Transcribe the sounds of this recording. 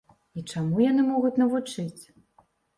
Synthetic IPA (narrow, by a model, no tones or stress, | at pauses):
it͡ʂamujan̪ɨmɔɣut͡sʲnɐvut͡ʂɨt͡sʲ